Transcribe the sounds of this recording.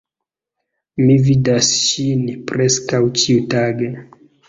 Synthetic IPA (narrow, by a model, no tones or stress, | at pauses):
mividasʃinipɾeskawt͡ʃiutaɡe